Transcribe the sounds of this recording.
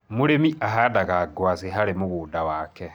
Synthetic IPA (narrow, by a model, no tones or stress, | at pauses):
moɾemiʔaɦadaɣaɡwaseɦaɾemoɣuːdawaːkɛ